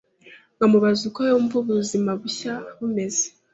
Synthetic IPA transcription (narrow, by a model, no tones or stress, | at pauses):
ŋamuβazukojoɱvuβuzimaβuçaβume̞ze